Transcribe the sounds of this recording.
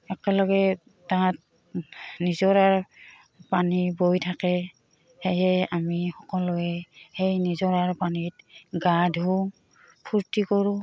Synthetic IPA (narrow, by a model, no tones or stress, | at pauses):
ɛkɛlɔɡɛ | tat̚ | nizɔɹaɹ | panibojtʰakɛ | hejɛamixɔkɔlʊɛhejnizɔɹaɹpanit̚ɡadʱu | pʰuɹtikɔɹʊ̃